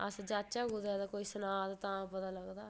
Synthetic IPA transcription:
əsd͡ʒaːt͡ʃaːɡʊd̪ɛd̪akoːiːsənaːd̪t̪ãːpət̪aːləɡd̪aː

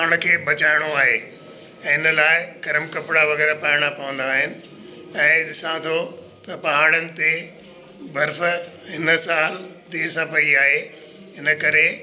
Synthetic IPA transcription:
ɽ̃kʰeːbɐt͡ɕaːɪɽ̃oaːɦe | ɛ̃ːɦɪnəlaːɪɡɐɾəmkɐpɪɽaʋɐɣɛːɾapaːɪɽ̃apɐʋə̃nd̪aːɦɪnɪ̆ | ɛ̃ːɗɪsãt̪ʰo | t̪ɐpɐɦaːɽ̃ənɪ̆t̪e | bʱɐɾfɦɪnəsaːl | d̪iːɾsãpɐiaːɦe | ɦɪnəkɐɾe

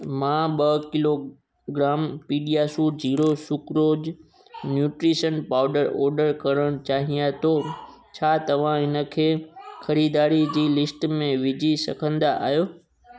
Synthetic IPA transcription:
mãːɓɐkɪlo | ɡɾaːmpiːɖijaːsuːd͡ʑiːɾosʊkɾoːd͡ʑ | njuːʈɾiːʃənpaːʊɖəɾɔːɾɖəɾkɐɾəɽ̃t͡ɕaːɦijãt̪ʰoː | t͡ɕʰaːt̪ɐʋ̤ãɦɪnə̆kʰeːxɐɾiːd̪aːɾid͡ʑiːlɪsʈmẽʋɪd͡ʑʱisɐkʰə̃nd̪aʔa̰ːɦjoː

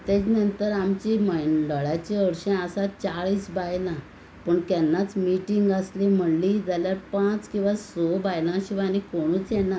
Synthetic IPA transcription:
t̪ɛt͡ɕnənt̪əɾamt͡ɕiməɖəɭat͡ɕẽəɽɕẽasat͡ɕaɭiːsbajlã | pəɳkɛnːat͡smiʈiŋɡəslim̤əɽlid͡zaljaɾpãt͡skĩw̃ʋasobajlãɕiʋanikoɽ̃uːt͡sjɛnːa

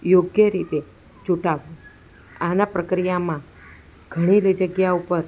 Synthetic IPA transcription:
joɡjəɾit̪e | d͡ʒuʈaʋũ | anapɾəkɾijamã | ɡ̥ʱəɽ̃iled͡ʒəɡjaupəɾ

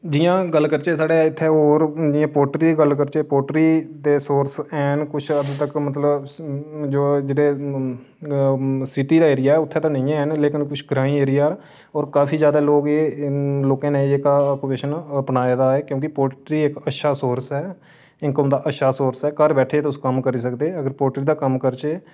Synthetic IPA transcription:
d͡ʒɪjãːɡəlːkəɾt͡ʃeːsaːɽeːɪt̪ʰːeːoːɾd͡ʒɪːãːpoːʈɾiːɡəlkəɾt͡ʃeːpoːʈɾiːd̪eːsoːɾsɛːnkʊt͡ʃʰəd̪t̪əkmət̪ləb | d͡ʒoːd͡ʒeːɽeː | sɪʈiːd̪aːeːɾɪjaːɛːʊt̪ʰːeːt̪ãːnəĩːɛːnleːkɪnkʊt͡ʃʰɡɾaːĩːeːɾɪjaː | ɔːɾkaːfʰiːzjaːd̪aːloːɡeːloːkẽːnẽːiekːkupeːʃənpnaːed̪aːɛːkjõːkɪpoːʈɾiːekəʃaːsoːɾsɛː | ɪkəmd̪aːʔəʃaːsoːɾsɛːkəɾbɛːʈʰeːt̪ːʊskəmkəɾiːs̬əkd̪eːəɡəɾpoːʈɾiːd̪aːkəmkəɾt͡ʃeː

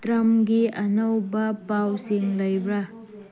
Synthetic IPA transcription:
tɾɐmɡiʔɐnɐwbɐpawsiŋlɐjbɾɐ

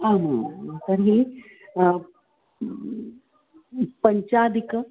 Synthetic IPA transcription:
ama̰t̪ɐɾɦi | pɐɲt͡ʃaːd̪ik

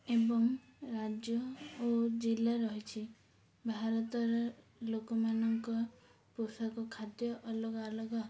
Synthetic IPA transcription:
ebɔŋɾad͡ʒjɔod͡ʒilaɾɔɦit͡ʃʰi | bʱaɾɔt̪ɔɾɔ | lokɔmanɔŋkɔ | pusɔkɔkʰad̪jɔʔɔlɔɡalɔɡɔ

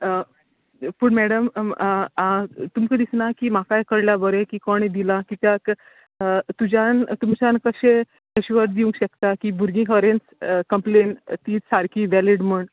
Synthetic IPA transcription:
pəːɳmæɽəm | ãt̪umkəd̪isnakiːmakajkəɽljabəɾẽkiːkɔɳ̃id̪ilãkiːk̪ak | t̪ud͡ʑant̪umt͡ɕankəɕẽ | eɕiʋəɾd̪iũŋkɕəkt̪akiːbʱuɾɡĩkəɾenskəmplent̪iːt͡ssaɾkiʋɛliɽm̤uɳ

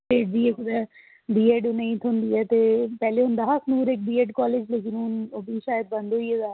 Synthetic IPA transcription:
eːɖd͡ʒiːekʊd̪ɛ | ɖiːeːɖʊnẽĩt̪ʰʊnd̪iːɛːt̪eːpɛːleɦʊnd̪aɦaːsnuːɾeːk̚biːeːɖkɔːleːd͡ʒleːk̬ɪnʊnobʱiːʃaːjəd̪̚bə̃nd̪oiɛd̪aː

